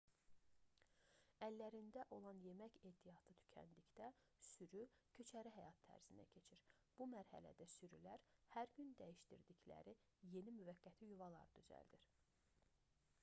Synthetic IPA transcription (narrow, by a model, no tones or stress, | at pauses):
ælːæɾind̪æʔo̞lˠɑnje̞mæce̞ːt̪ʰijɑt̪ʰɯt̪ʰy̥cʰæ̰nd̪icd̪æ | syɾycʰø̞t͡ʃʰæɾiɦæjɑt̪ʰːæ̰ɾz̥inæ̰cʰe̞t͡ʃʰiɾ | b̥umæɾhæ̰læ̰d̪æsyɾylæɾhæɾɟynd̪æjiʃt̪iɾd̪iclæ̰ɾi | je̞nimyvæɡːæt̪ʰijuvɑlˠɑ̰ɾɯd̪yzæ̰ld̪iɾ